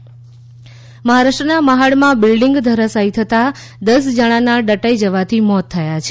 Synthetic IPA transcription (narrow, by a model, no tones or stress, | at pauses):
məɦaɾaʂʈənaməɦaɽmãbɪlɖɪŋɡd̪ʱəɾəsait̪ʰət̪a | d̪əsd͡ʒəɽ̃ãnaɖəʈaid͡ʒəʋat̪ʰimɔt̪ʰːəjat͡ʃʰe